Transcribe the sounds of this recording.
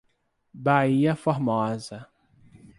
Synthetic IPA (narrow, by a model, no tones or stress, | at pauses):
baiɐfoɾmɔzɐ